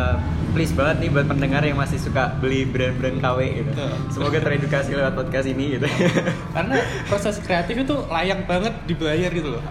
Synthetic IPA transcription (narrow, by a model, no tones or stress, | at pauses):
əm | plɪsbaɦət̪̚nibuat̪̚pəndəŋarjaŋmasɪhsukabəlihbəɾanbɾankaweɡit̪u | səmoɡat̪əɾedukasilewat̪̚pɔd̪̚kast̪iniɡit̪u | kaɾəna | pɾosɛskɾeat̪ɪfit̪ulajaŋ̚baŋət̪̚dibajarɡit̪ulʊ